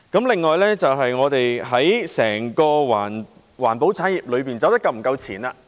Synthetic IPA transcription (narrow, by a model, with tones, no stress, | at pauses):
kɐ˨˥mlɪ˨ŋːɔː˨jlɛː˥t͡sɐ˨wɦɐ˨jŋɔː˨˧t̪e˨jɦɐ˨˥jsɛː˨˩ŋkɔː˧waː˨˩n | waː˨˩npo˨˥wt͡sʰaː˨˥njiː˨p̚lɵ˨˧ɥpiː˨nt͡sɐ˨˧wt̪kːɐ˧wm̩˨˩kɐ˧wt͡sʰiː˨˩naː˧